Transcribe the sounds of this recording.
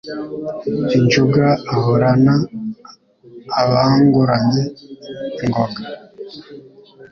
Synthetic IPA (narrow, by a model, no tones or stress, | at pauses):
iɲt͡ʃuɡaːɦoɾana | βaːŋɡuɾaɲe | ŋɡoɡḁ